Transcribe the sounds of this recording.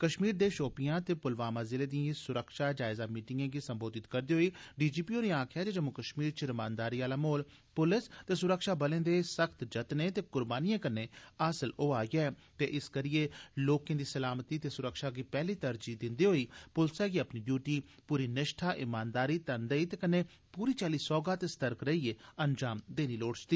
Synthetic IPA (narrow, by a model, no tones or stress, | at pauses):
kəʃmiːɾd̪eːʃoːpɪjãːt̪eːpʊlʋaːmãːzɪleːd̪iãsʊɾəkʃaːd͡ʒaːɪzaːmiːʈɪŋɡãːɡiːsəmboːd̪ɪt̪kəɾd̪iːɦoːiːɖiːd͡ʒiːpiːoːneːãːkʰɪjaːd͡ʒeːd͡ʒəmʊkəʃmiːɾt͡ʃəɾɪmaːnd̪aːɾiːaːlaːmoːl | pʊlɪst̪eːsʊɾəkʃaːbəlẽːd̪eːsəkʰt̪d͡ʒət̪neːt̪eːkʊɾbaːnɪjãːkəɾneːəːsəloːaːɡɛː | t̪eːʔɪskəɾɪjeːloːkẽːd̪iːsəlaːmt̪iːt̪eːsʊɾəkʃaːɡiːpɛːliːt̪əɾd͡ʒiːd̪ɪnd̪iːɦoːiːpʊlsɛːɡiːəpniːɖjuːʈiː | puːɾiːnɪʃʈʰaːʔɪmaːnd̪aːɾiːt̪ənd̪əiːt̪eːkənːeː | puːɾiːt͡ʃaːliːsɔːɡaːt̪eːst̪əɾəkɾəiːeːənd͡ʒaːmd̪eːniːloːɽt͡ʃt̪iː